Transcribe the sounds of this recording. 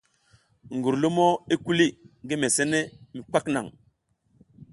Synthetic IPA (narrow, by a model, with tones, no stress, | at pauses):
ŋɡu˨ɾlo˦mo˦i˦ku˦li˦ŋɡi˦me˨se˦ne˦mi˨k͡pa˦kna̰˨ŋ